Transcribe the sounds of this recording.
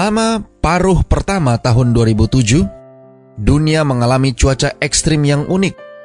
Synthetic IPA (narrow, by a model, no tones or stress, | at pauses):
lamapaɾʊhpərt̪amat̪aɦʊnduaɾibut̪ud͡ʒʊh | duniaməŋalamit͡ʃuat͡ʃaʔɛkst̪ɾɪmjaŋʔunɪk̚